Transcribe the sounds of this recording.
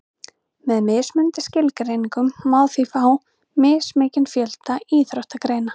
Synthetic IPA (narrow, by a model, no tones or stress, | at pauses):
mɛðmɪːsmʏnt̪ɪscɪlkɾeːjniŋkʏmːawðθiːfaaw | mɪːsmeːcɪnfjœl̥t̪aiːθɾɔwht̪akɾeːjna